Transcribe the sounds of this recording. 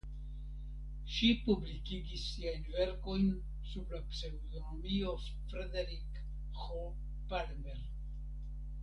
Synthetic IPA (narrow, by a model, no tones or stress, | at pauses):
ʃipublikiɡisːiajnve̞ɾko̞jn | sublapsewd̪ono̞mio̞ | fɾed̪eɾik | ho | palmbeɾ